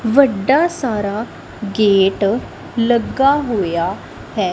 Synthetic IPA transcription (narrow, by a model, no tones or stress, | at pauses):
ʋəɖːasaːɾa | ɡeːʈ | ləɡːaɦoːja | hɛː